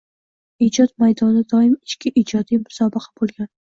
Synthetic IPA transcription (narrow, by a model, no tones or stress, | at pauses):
id͡ʒɒt̪̚majd̪ɒnɪd̪ɒɪmɪt͡ʃkʲɪʔɪd͡ʒɒd̪ijmʊ̥sɒbɨqʰḁbolˠɡʲan